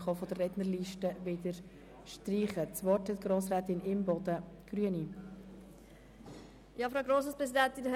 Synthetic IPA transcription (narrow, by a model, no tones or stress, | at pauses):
χɑfɔdərːɛdnəɾliːʃtəʋɪdəɾ | ʃtriːχət͡svɔthɛtɡ̥ɾoːsɾɛːt̪ɪnɪmbɔd̥ə | ɡ̥ɾyəni | jɑːfɾaɡɾoːsəspɾɛsidɛntɪn